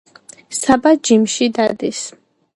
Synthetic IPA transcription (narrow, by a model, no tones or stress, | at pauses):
sabad͡ʒimʃid̪ad̪is